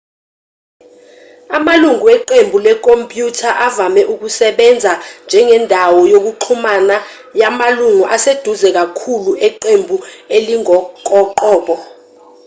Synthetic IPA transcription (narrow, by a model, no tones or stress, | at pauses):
amaluŋuwɛǃembʱulɛk̬ʼompʼjutʰaʔavamɛʔuk̬usɛɓɛnd͡zʱand͡ʒʱɛŋɛndʱawɔjok̬uǃʰumana | jamaluŋuʔased̥ʱuzɛk̬akʰuluɛǃembʱueliŋɔkʼɔǃɔːɓɔ